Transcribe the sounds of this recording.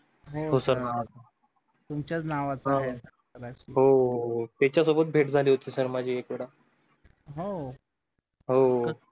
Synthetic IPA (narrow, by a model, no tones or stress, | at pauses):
ɦoɦosəɾnaʋat͡sa | t̪umt͡ɕjat͡snaʋat͡sãɦɛsə | əɾaɕiɦot̪ɛt͡ɕjasobət̪̚bʱeʈd͡zʱaliːɦot̪iːsəɾmad͡ʑʱiːekʋeɽa | ɦo | ɦo